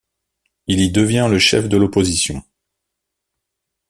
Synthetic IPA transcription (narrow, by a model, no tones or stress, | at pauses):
ilid̪əvjɛ̃ləʃɛ̰fd̪əlɔpozisjɔ̃